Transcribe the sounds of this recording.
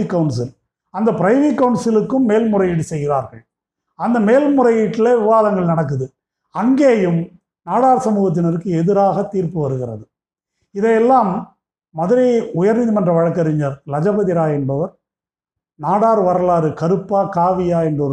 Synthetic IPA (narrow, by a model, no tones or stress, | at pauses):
kːɐɯɳsɪl | ɐnd̪ɐpɪɾɐɪʋɪkːɐʊɳsɪlɯkːɯmːeːlmʊrɐjɪʈːɯsɛjɣɪɾaːɾɣɐɭ | ɐnd̪ɐmeːlmʊrɐjɪʈːɪleʋɪʋaːðɐŋɡɐɭnɐɽɐk̬ːɯðɯ | ɐŋɡeːjɯm | naːɽaːɾsɐmuːɣɐt̪ːɪnɐɾɯkːɯɛðɪɾaːɣɐt̪ːiːɾpɯʋɐɾɯɣɪrɐ̰ðɯ | ɪðɐjɛlːaːmː | ɐðɯɾɐʊjɐɾnɪðimɐndrɐʋɐɻɐkːɐɾɪɲɐɾlɐd͡ʒɐbɐðɪɾaːɛnbɐʋɐɾ | naːɽaːɾʋɐɾɐlaːɾɯkɐɾɯpːaːkaːʋɪjaːɛnbɐ